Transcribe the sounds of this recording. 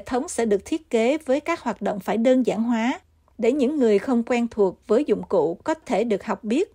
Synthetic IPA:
e˧˨t̪ʰə˨˦wŋ͡msɛ̰˧˥ɗɨ˨˩ək̚t̪ʰi˦˥ət̚ke˨˦vəː˨˦jkaː˦˥k̚hwaː˨˩t̚ɗo̰˧˨wŋ͡mfaː˧˩jɗəː˧nza̰ː˧˩nɦwaː˨˦ | ɗe˧˩ɲɨ̰˧˥ŋːɨ˨˩əjxə˧wŋ͡mkwɛː˧nt̪ʰu˨˩ək̚vəː˨˦jzʊ̰˧˨ŋ͡mkṵ˧˨kɔ˨˦t̪ʰe˧˩ɗɨ˨˩ək̚ha˨˩wk͡p̚ɓi˦˥ət̚

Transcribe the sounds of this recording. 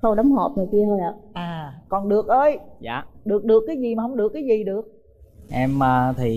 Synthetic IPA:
xə˧wɗɔ˨˦wŋ͡mɦo˨˩p̚ɲɨ˨˩ki˧əho˧jʔa̰ː˧˨˩ʔaː˨˩kɔ˨˩nɗɨ˨˩ək̚ʔəː˧jza̰ː˧˩ɗɨ˨˩ək̚ɗɨ˨˩əkːaː˨˦jzi˨˩maː˨˩ɦə˧wŋ͡mɗɨ˨˩əkːaː˨˦jzi˨˩ɗɨ˨˩ək̚ | ʔɛ˧mːaː˨˩t̪ʰi˨˩

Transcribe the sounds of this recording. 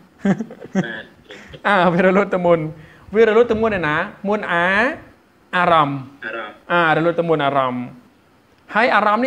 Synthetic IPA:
ʔaː˧˩wi˧ɾa˧lu˥t̪ːa˧mu˧n | wi˧ɾa˧luː˥t̪̚ːa˧mu˧ənːa˧˩na˦mu˧ənʔaː˧˥ | ʔaː˧ɾa˧˩m | ʔaː˧˩ɾa˧lu˥t̪̚ːa˧mu˧nʔaː˧ɾa˧˩m | haː˧˥˩jʔaː˧ɾa˧mni˥

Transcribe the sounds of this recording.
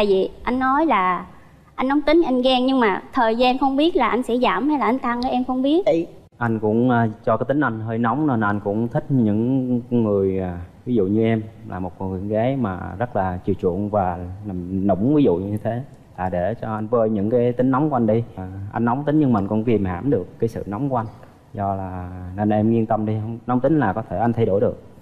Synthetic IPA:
aː˧˨jvḭ˨ʔa˧jŋ̟nːɔ˨˦jlaː˨˩ | ʔa˧jŋnːɔ˨˦wŋ͡mt̪ï˨˦ŋ̟ʔa˧jŋɣɛ˧ŋɲɨ˧ŋmaː˨˩t̪ʰəː˨˩jzaː˧nxə˧wŋ͡mɓi˦˥ət̚laː˨˩ʔa˧jŋsɛ̰˧˥zaː˧˩mha˧jlaː˨˩ʔjŋ̟t̪a˧ŋʔəː˨˦ʔɛ˧mxə˧wŋ͡mɓi˦˥ət̚ | ʔa˧jŋ̟kʊ̰˧˥ŋ͡mt͡ɕɔ˧kaː˨˦jt̪ï˨˦ŋ̟ʔa˧jŋ̟ɦəː˧jnɔ˨˦wŋ͡mn˧n˨˩ʔa˧jŋ̟kʊ̰˧˥ŋ͡mt̪ʰï˦˥k̟̚ɲɨ̰˧˥ŋŋɨ˨˩əjaː˨˩vi˨˦zṵ˧˨ɲɨ˧ʔɛ˧mlaː˨˩mo˨˩t̚ki˧˩əŋɣa˨˦jmaː˨˩zə˦˥t̚laː˨˩t͡ɕi˨˩wt͡ɕḭ˧˨ənvaː˨˩na˨˩mnʊ̰˧˩ŋ͡mvi˨˦zṵ˧˨ɲɲɨ˧t̪ʰe˨˦ | laː˨˩ɗe˧˩t͡ɕɔ˧ʔa˧jŋvəː˧jɲɨ̰˧˥ŋkaː˨˦jt̪ï˨˦ŋ̟nɔ˨˦wŋ͡mku˧˩˦ʔa˧ŋ̟ɗi˧jʔa̰˧jŋ̟nɔ˨˦wŋ͡mt̪ï˨˦ŋ̟ɲɨ˧ŋmaː˨˧˩ŋkʊ̰˧˥ŋ͡mki˨˩əmha̰ː˧˩mɗɨ˨˩əkːaː˨˦jsɨ̰˧˨nɔ˨˦wŋ͡mkʔa˧ŋ̟ | zɔ˧laː˨˩nə˧˩nʔɛ˧mŋi˧ənt̪ə˧mɗi˧hŋ͡mnɔ˨˦wŋ͡mt̪ï˨˦ŋ̟laː˨˩kɔ˨˦t̪ʰe˧˩ʔa˧ŋ̟t̪ʰa˧jɗo˧˩jɗɨ˨˩ək̚

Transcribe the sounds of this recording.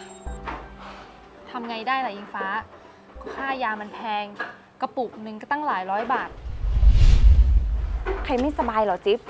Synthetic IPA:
t̪ʰa˧mŋa˧jdaː˥˩jla˨˩ʔi˧ŋfaː˦˥ | kɔ˥˩kʰaː˥˩jaː˧ma˧npʰɛː˧ŋ | ka˧˩pu˨˩ʔ̚nɯ˧ŋka˧˩t̪a˥˩ŋlaː˩˦jɾɔː˦˥jbaː˨˩t̪̚ | kʰa˧jma˥˩jsa˧baː˧jlɔː˨˩˦t͡ɕi˦˥p̚

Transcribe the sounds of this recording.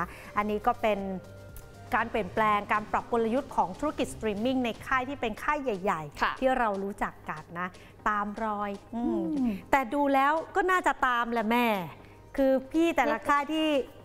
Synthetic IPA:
ʔa˧nːiː˦˥kɔː˥˩pe˧n | kaː˧npi˨˩ənplɛː˧ŋkaː˧npɾa˨˩p̚ku˧la˧ju˦˥t̪̚kʰɔː˩˦ŋt̪ʰu˦˥ɾa˥ki˨˩t̪̚sḁt̪ɾiː˧mi˥˩ŋna˧jkʰaː˥˩jt̪ʰiː˥˩pe˧nkʰaː˥˩jːa˨˩jːa˨˩jʰt̪ʰiː˥˩ɾa˧wɾuː˦˥t͡ɕa˨˩kːa˨˩t̪̚na˦˥ | t̪aː˧mɾɔː˧jʔɯː˧t̪ɛː˨˩duː˧lɛː˦˥wkɔː˥˩naː˥˩t͡ɕa˨˩t̪aː˧mlɛ˨˩mɛː˥˩ | kʰɯː˧pʰiː˥˩t̪ɛː˨˩la˦˧kʰaː˥˩jt̪ʰiː˥˩

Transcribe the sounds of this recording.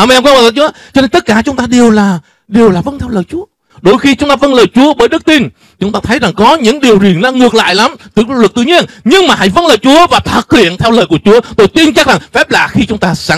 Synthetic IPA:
ʔaː˧mʔɛ˧mkaː˧˦ma˨˩ə˧˩t͡ɕt͡ɕɔ˧ne˧nt̪ə˦˥t̚kaː˧˩t͡ɕʊ˨˦ŋ͡mt̪aː˧ɗe˨˩əwlaː˨˩ | ɗe˨˩əwlaː˨˩və˧nt̪ʰɛ˧wləː˨˩jt͡ɕu˨˦ə | ɗo˧˩jxi˧t͡ɕʊ˨˦ŋ͡mt̪aː˧və˧˦nləː˨˩jt͡ɕu˨˦əɓəː˨˦jɗɨ˦˥k̚t̪i˧n | t͡ɕʊ˨˦ŋ͡mt̪aː˧t̪ʰə˨˦jza˨˩ŋkɔ˨˦ɲɨ̰˧˥ŋɗi˨˩əwzi˨˩ənlɔ˨˦ŋɨ˨˩ək̚la̰ː˧˨jla˨˦mt̪ɨ˧˩˧lk̚t̪ɨ˧˨˩ɲi˧ənɲɨ˧ŋmaː˨˩ɦa̰˧˥jvə˧nləː˨˩jt͡ɕu˨˦əvaː˨˩t̪ʰə˨˩t̚h̪ḭ˧˨ənt̪ʰɛ˧wləː˨˩jku˧˩ət͡ɕu˨˦ət̪o˧jt̪i˧ənt͡ɕa˦˥k̚za˨˩ŋfɛ˦˥p̚laː˨˩xi˧t͡ɕʊ˨˦ŋ͡mt̪aː˧sa˧˥

